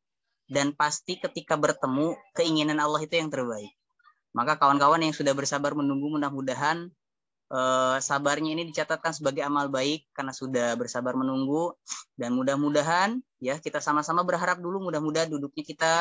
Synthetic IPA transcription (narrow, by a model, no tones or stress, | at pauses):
danpast̪ikət̪ikabərt̪əmukəiŋinanalːaɦit̪ujaŋt̪ərbaɪk̚ | makakawankawanjaŋsudahbərsabarmənuŋɡumudahmudaɦan | ʔəːsabarɲainidit͡ʃat̪at̪̚kansəbaɡajamalbaɪkːarnasudahbərsabarmənuŋɡudanmudahmudaɦan | jakit̪asamasamabərɦaɾap̚dulumudahmudaɦandudʊk̚ɲakit̪a